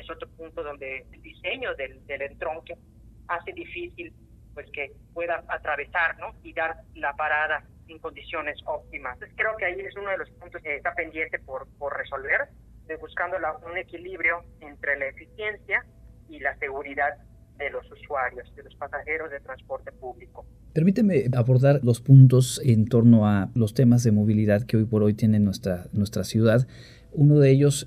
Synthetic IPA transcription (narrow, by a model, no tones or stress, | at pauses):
eso̞t̪ɾopunt̪oðo̞nd̪eeld̪ise̞ɲoðeld̪e̞le̞nt̪ɾo̞ŋke | ase̞ðifisil | pwe̞ske̞pwe̞ðaat̪ɾaβe̞saɾno̞iðaɾlapaɾaða | eŋko̞nd̪isjo̞ne̞so̞p̚t̪imakɾe̞okeaiesunoð̞elo̞spunt̪osest̪ape̞nd̪je̞nt̪e̞poɾpo̞ɾreso̞lβe̞ɾ | buskand̪olaune̞kiliβɾjo̞ent̪ɾelaefisje̞nsja | ilase̞ɣuɾiðað | d̪e̞lo̞suswaɾjo̞sðelo̞spasaxe̞ɾo̞zðe̞t̪ɾanspo̞ɾt̪e̞puβliko | pe̞ɾmit̪eme̞aβo̞ɾðaɾlo̞spunt̪o̞sent̪o̞ɾno̞alo̞st̪e̞mazðe̞mo̞β̞iliðaðkeo̞jpo̞ɾo̞jt̪je̞nenwest̪ɾanwe̞st̪ɾasjuðað | uno̞ðeeʝo̞s